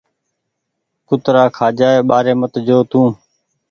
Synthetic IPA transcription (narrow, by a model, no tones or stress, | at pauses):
kʊt̪ɾaːkʰaːd͡ʒaːeːɓaːɾeːmət̪d͡ʒoːt̪ũː